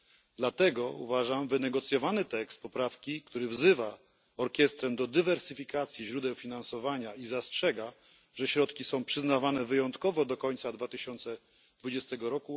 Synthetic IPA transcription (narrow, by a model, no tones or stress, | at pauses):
d̪lat̪ɛɡɔṵvaʐamvɘnɛɡɔt̪sʲjɔvanɘt̪ɛkst̪̚pɔpɾafkʲikt̪uɾɘvzɘva | ɔɾkʲɛst̪ɾɛmd̪ɔd̪ɘvɛɾsɘfʲikat̪sʲjiʑɾud̪ɛwfʲinansɔvaɲaizastʂɛɡa | ʐɛɕɾɔt̪kʲisɔ̃w̃pʂɘznavanɛvɘjɔnt̪kɔvɔd̪ɔkɔɲt̪sad̪vat̪ɘɕɔnt̪sɛ | d̪vud͡ʑɛst̪ɛɡɔɾɔku